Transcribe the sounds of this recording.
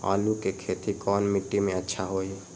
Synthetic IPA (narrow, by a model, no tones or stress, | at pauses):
a̰ːlukekʰeːt̪ikɔːnmɪʈːimẽətːʃʰaɦoːi